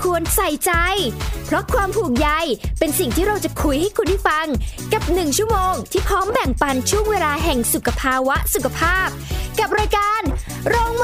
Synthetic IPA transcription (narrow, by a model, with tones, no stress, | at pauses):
kʰu˧ənsa˨˩jt͡ɕa˧jpʰɾɔ˦˥kʰwaː˧mpʰuː˨˩k̚ja˧jpe˧nsi˨˩ŋt̪ʰiː˥˩ɾa˧wt͡ɕa˨˩kʰu˧jha˥˩jkʰu˧nda˥˩jfa˧ŋka˨˩p̚nɯ˨˩ŋt͡ɕʰu˥˩əmoː˧ŋt̪ʰiː˥˩pʰɾɔː˦˥mbɛ˨˩ŋpa˧nt͡ɕʰu˥˩əŋweː˧laː˧ɦɛ˨˩ŋsu˨˩kʰa˧pʰaː˧wa˦˥ʔsu˨˩kʰa˧pʰaː˥˩p̚ka˨˩p̚ɾaː˧jkaː˧n | ɾoː˧ŋ